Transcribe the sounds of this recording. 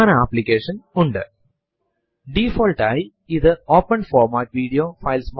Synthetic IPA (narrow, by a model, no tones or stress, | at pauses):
nɐaːplikeːʂɐnʊɳɖɨ | ɖifoːlʈɐj | iðɨoːpːɐnfoːɾmaːʈ̚ʋiːɽijoːfɐɪlsm